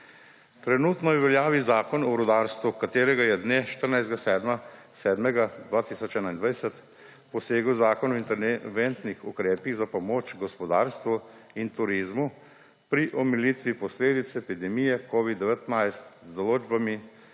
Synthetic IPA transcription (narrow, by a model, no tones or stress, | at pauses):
t̪ɾɛnuːt̪nɔjɛʋɛljaːʋizaːkɔnɔɾud̪aːɾst̪ʋukat̪eːɾɛɡajɛd̪neːʃt̪əɾnajzd̪ɡasɛːd̪ma | sɛːd̪mɛɡad̪ʋaːt̪isɔt͡ʃɛːnaind̪ʋajsɛt̪ | pɔseːɡwzaːkɔnɔint̪ɛɾʋent̪nixukɾeːpiɣzapɔmoːt͡ʃɡɔspɔd̪aːɾst̪ʋu | int̪uɾiːzmu | pɾiʔɔmilit̪ʋipɔsleːd̪it̪sɛepid̪ɛmijɛkoːʋid̪ːɛʋɛt̪najst̪zd̪ɔloːd͡ʒbami